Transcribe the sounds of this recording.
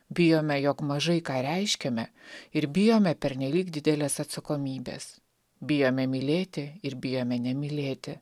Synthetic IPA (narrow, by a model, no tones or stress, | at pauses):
bʲɪjoːmʲɛjoːkmɐʒɐɪkɑːɾʲɛɪʃʲkʲɛmʲɛɪɾbʲɪjoːmʲɛpʲɛɾʲnʲɛlʲiːkd̪ʲɪd̪ʲɛlʲeːsɐt̪sɐkoːmʲiːbʲḛːs | bʲɪjoːmʲɛmʲɪlʲeːt̪ʲɪɪɾbʲɪjoːmʲɛnʲɛmʲɪlʲeːt̪ʲɪ